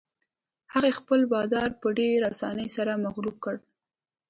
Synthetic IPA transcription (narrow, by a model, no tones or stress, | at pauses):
haɣexpəlbɑd̪ɑɾpəɖeɾasɑ̰nəjsaɾamaɣɾub̚kəɽ